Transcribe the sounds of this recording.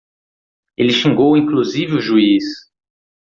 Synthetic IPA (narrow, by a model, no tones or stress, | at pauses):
elɪʃĩŋɡowĩŋkluzivɪʊʒuis